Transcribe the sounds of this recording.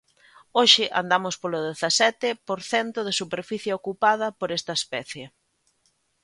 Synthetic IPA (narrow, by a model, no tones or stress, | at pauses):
oʃɪʔa̰nd̪amʊspolʊðeθɐsɛt̪ɪpoɾθɛnt̪ʊðɪsupeɾfiθjaokupað̞ɐpoɾest̪ɐespɛθje